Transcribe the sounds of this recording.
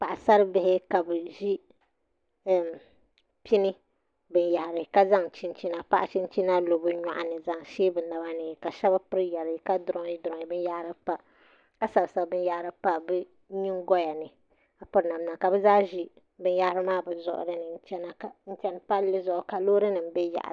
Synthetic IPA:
pa˨ʔa˨sa˦ɾɨ˦bɪ˨hɪ˦ka˨bɨ˨ʒi˦˨ | pi˦nɨ˦ | bɨ˦n˦ja˨ha˨ɾɨ˨ka˦za˦ŋt͡ʃi˦nt͡ʃi˦na˨pa˦ʔa˦t͡ʃi˦n˦t͡ʃi˦na˦lo˨bɨ˦ɲa̰˨ʔa˨nɨ˨za˦ŋʃeː˦bɨ˨na˨ba˦nɨ˨ka˨ʃɛ˦ba˦pɨ˦ɾjɛ˨ɾɨ˨ka˦dʊ˦ɾʊ˦i˦dʊ˨ɔ˨ŋi˨bɨ˦n˦ja˦hɾɨ˦pa˦ | ka˦sa˨bsa˨bɨ˦n˦ja˦ʔɾɨ˨pa˦bɨ˦ | ɲi˦ŋɡɔ˦ja˨nɨ˨ | a˨pʊ˦ɾna˨m˦na˨ka˨bɨ˦zaː˦ʒi˦ | bɨ˦n˦ja˦ha˦ɾɨ˦maː˦bɨ˨zʊ̰˨ʔʊ̰˨dɨ˦nɨ˨n̩˦t͡ʃɛ˦na˨kn̩˦t͡ʃɛ˦npa˦lːɨ˦zʊ˨ʔʊ˨ka˨loː˦ɾɨ˦nɨ˨m̩˦bɛ˦ja̰˨ʔ

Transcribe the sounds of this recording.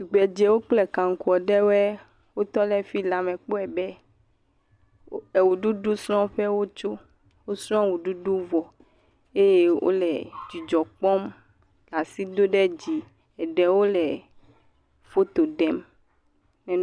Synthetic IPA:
su˨ɡ͡bɛ˨d͡ʒɛ˨wo˦k͡plɛ˨kã˨ŋ˨ku˨ɔ˨ɖɛ˦wɛ˦ | wo˦t̪ɔ˦lɛ˦fi˦la˨mɛ̃˨k͡po˦ɛ˨bɛ˦ | ɛ˨wu˨ɖu˦ɖu˦sɾɔ̃˦ɸɛ˦wo˦t͡ʃo˦ | wo˦sɾɔ̃˦wu˨ɖu˦ɖu˦vɔ˨ | e˦je˦wʔo̰˦lɛ˨d͡ʒi˨d͡ʒɔ˨k͡pɔ˦m | la˨si˦d̪o˦ɖɛ˦d͡ʑi˨ | ɛ˨ɖɛ˨wo˦lɛ˨ | fo˦t̪o˨ɖɛ˦m | nɛ̃˨n

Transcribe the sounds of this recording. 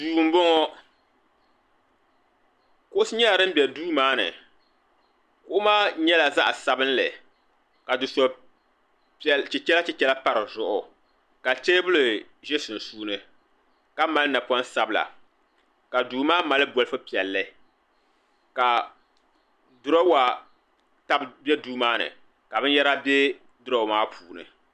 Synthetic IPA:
duː˨m̩˦bo˦ŋɔ˦ | kʊ˦ʊ˦sɨ˦ɲɛ˦la˨ɾɨ˦m̩˦bʲjɛ˨duː˦maː˦nɨ̰˨ | kʊ˦ʔʊ˦maː˦ɲɛ˦la˨za˦ʔsa˦bɨ˦n˦lɨ˨ | ka˨dʊ˨sɔ˨ | pt͡ʃɪ˨t͡ʃɛ˦la˦t͡ʃɛ˦t͡ʃɛ˦la˦pa˦ɾɨ˨zʊ˨ʔʊ˨ | ka˨t͡ʃeː˦bʊ˦lɨ˨ | ʒɛ˦sɨ˨n̩˨suː˦nɨ˦ | ka˦ma˦lna˨pɔ˦n˦sa˦bla̰˨ | ka˨duː˨maː˦ma˨lɨ˦bɔ˦lɨ˦fɨ˦pi˨ɛ˨lːɨ˦ | ka˨ | dʊ˦ɾa˦wa˨ | ta˦bbjɛ˦duː˦maː˦nɨ̰˨ | ka˨bɨ˦n˦jɛ˦ɾa˦bɛ˦ | dʊ˦ɾa˨maː˦pʰuː˨nɨ̰˨

